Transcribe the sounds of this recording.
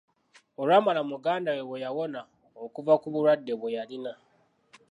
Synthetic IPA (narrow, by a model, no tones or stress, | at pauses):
oɾamalamuɡaːndawewejawo̞na | okuvakuβuɾadːe̞βwejalina